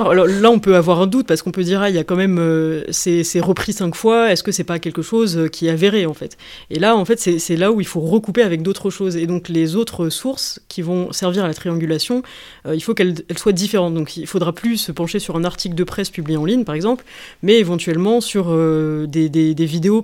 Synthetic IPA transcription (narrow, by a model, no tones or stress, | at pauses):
alɔʁlaɔ̃pøavwaʁɛ̃d̪ut̪̚paʁsə̥kɔ̃pød̪iʁailjakɑ̃mɛmøsɛsɛʁəpχisɛ̃kfwaɛskəsɛpakʲɛlkəʃozkʲiɛaveʁeɑ̃fɛt̪ | elaɑ̃fɛt̪sɛsɛlauilfoʁəkupeavɛk̚d̪ot̪χəʃozed̪ɔ̃klezot̪χəsuʁskʲʰivɔ̃sɛʁviʁalat̪χiɑ̃ɡʲylasjɔ̃ | øilfokɛlɛlswad̪ifeʁɑ̃t̪̚d̪ɔ̃kilfod̪ʁaplysəpɑ̃ʃesyʁɛ̃naʁt̪ʰikld̪əpχɛspyblijeɑ̃liɲpaʁɛɡzɑ̃pl | mɛevɑ̃t̪ɥɛlmɑ̃syʁød̪ed̪ed̪evid̪eo